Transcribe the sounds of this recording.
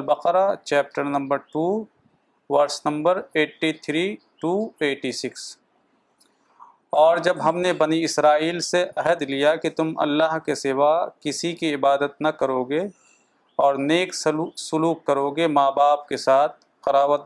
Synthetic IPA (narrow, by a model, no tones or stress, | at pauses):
lbɐqɾat͡ʃɛːp̚ʈəɾnɐ̃mbəɾʈuː | ʋɐɾsnɐ̃mbəɾeːʈːit̪ʰɾiːʈuːeːʈisɪks | ɔːɾd͡ʒɐbɦɐmnebɐniɪsɾaːiːlseʔɐɦəd̪lijakit̪ʊmɐ̰lːaɦkesɪʋakɪsikiɪbaːd̪ət̪̚nɐkɐɾoːɡe | ɔːɾneːkssʊluːkːɐɾoːɡemaːbaːp̚kesaːt̪̚ʰ | qɐɾaːʋət̪̚